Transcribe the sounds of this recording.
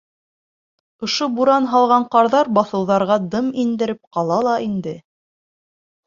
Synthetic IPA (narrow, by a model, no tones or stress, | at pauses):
ŏʃobuɾɑnɦɑlˠʁɑɴqɑɾðɑɾbɑθɤ̆wðɑɾʁɑd̪ɤmind̪ɘ̆ɾɘp̚qɑlˠɑlˠɑind̪ɘ